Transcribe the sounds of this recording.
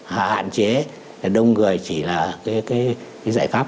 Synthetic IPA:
ha̰ː˧˨ha̰ː˧˨nt͡ɕe˨˦ | a˨˩ɗə˧wŋ͡mŋɨ˨˩əjt͡ɕi˧˩laː˨˩kaː˨˦jkaː˨˦jkaː˨˦jzaː˧˩jfaː˦˥p̚

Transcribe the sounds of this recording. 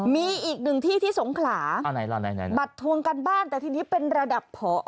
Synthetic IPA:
miː˧ʔiː˨˩k̚nɯ˨˩ŋt̪ʰiː˥˩t̪ʰiː˥˩so˩˦ŋkʰlaː˩˦a˧na˨˦la˧˩na˨˦na˨˦ba˨˩t̪ʰːu˧əŋka˧nbaː˥˩nt̪ɛː˨˩t̪ʰiː˥˩niː˦˥pe˧nɾa˧da˨˩ppʰːɔː˩˦

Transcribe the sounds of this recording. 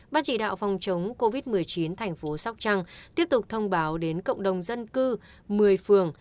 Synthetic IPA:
ɓaː˧nt͡ɕḭ˧˩ɗa̰ː˧˨wfɔ˨˩wŋ͡mt͡ɕə˨˦wŋ͡mko˧vi˦˥t̚mɨ˨˩əjt͡ɕi˨˦nt̪ʰa˨˩jŋ̟fo˨˦sa˦˥wk͡p̚t͡ɕa˧ŋt̪i˦˥əp̚t̪ʊ˨˩k͡p̚t̪ʰə˧wŋ͡mɓaː˨˦wɗe˨˦nkə̰˧˨ŋ͡mɗə˨˩wŋ͡mzə˧nkɨ˧ | mɨ˨˩əjfɨ˨˩əŋ

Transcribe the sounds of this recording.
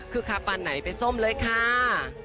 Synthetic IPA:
kʰɯː˧kʰa˦˧˥pːa˧nːa˩˦jpa˧jso˥˩mlɤː˧jkʰa˥˩

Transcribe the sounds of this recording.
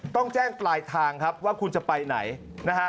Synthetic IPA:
t̪ɔ˥˩ŋt͡ɕɛː˥˩ŋplaː˧jt̪ʰaː˧ŋkʰa˦˥p̚waː˥˩kʰu˧nt͡ɕa˨˩pa˧jna̰˩˦j | na˦˥ka˦˥

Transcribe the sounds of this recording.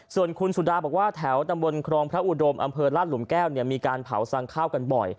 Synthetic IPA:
su˨˩ənkʰu˧nsu˨˩daː˧bɔː˨˩k̚waː˥˩t̪ʰɛ˩˦wt̪a˧mbo˧nkʰɾɔː˧ŋpʰɾa˦˥ʔu˧˩do˧mʔa̰˧mpʰɤː˧laː˥˩t̪̚lu˩˦mkɛː˥˩wni˥˩əmiː˧kaː˧npʰa̰˨˩˦wsa˧ŋkʰaː˥˩wka˧nbɔ̰˨˩j

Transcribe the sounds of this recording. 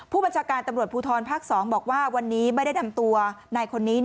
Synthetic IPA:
pʰuː˥˩ba˧nt͡ɕʰaː˧kaː˧nt̪a˧mɾət̪̚pʰuː˧t̪ʰɔː˧npʰaː˥˩k̚sɔː˩˦ŋbɔː˨˩k̚waː˥˩wa˧nːiː˦˥ma˥˩jda˥˩jna˧mt̪u˧ɐna˧jkʰo˧nːiː˦˥

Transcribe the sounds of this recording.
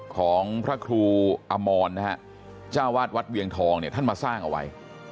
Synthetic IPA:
kʰɔː˩˦ŋpʰɾa˦˥kʰɾuː˧ʔa˧mɔː˧nːa˦˥ha˦˥ʔ | t͡ɕaː˥˩waː˥˩t̪̚wa˦˥t̪̚wi˧əŋt̪ʰɔː˧ŋni˥˩t̪ʰa˥˩nmaː˧saː˥˩ŋʔa̰˧wa̰˧j

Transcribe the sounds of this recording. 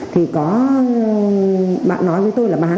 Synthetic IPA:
t̪ʰi˨˩kɔ˨˦ | ɓa̰ː˧˨nːɔ˨˦jvəː˨˦jt̪o˧jlaː˨˩ɓaː˨˦

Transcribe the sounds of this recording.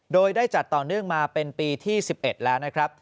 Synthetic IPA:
doː˧jdaː˥˩jt͡ɕa˨˩t̪ːɔː˨˩nɯ˥˩əŋmaː˧pe˧npiː˧t̪ʰiː˥˩si˨˩p̚ʔe˨˩t̪̚lɛː˦˥wna˦˥kʰɾa˦˥p̚

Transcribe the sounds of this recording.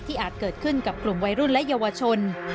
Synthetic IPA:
t̪ʰiː˥˩ʔaː˨˩t̪̚kɤː˨˩t̪̚kʰɯ˥˩nka˨˩p̚klu˨˩mwa˧jɾu˥˩nlɛ˦˥ʔja˧wa˧t͡ɕʰo˧n

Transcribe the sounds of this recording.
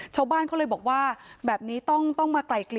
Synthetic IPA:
t͡ɕʰaː˥˩wbaː˥˩nka˥˩lɤ˧jbɔː˨˩k̚waː˥˩bɛː˨˩p̚niː˦˥t̪ɔ˥˩ŋt̪ɔ˥˩ŋmaː˧kla˨˩jkli˨˩

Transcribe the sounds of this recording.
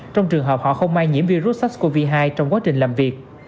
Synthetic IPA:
t͡ɕɔ˧wŋ͡mt͡ɕɨ˨˩əŋɦəː˨˩p̚hɔ̰˧˨xə˧wŋ͡mmaː˧jŋi˧˥əmvi˧ɾu˦˥t̚sa˦˥t̚ko˧vi˧ɦaː˧jt͡ɕɔ˧wŋ͡mkwaː˨˦t͡ɕï˨˩ŋ̟laː˨˩mvi˨˩ək̚

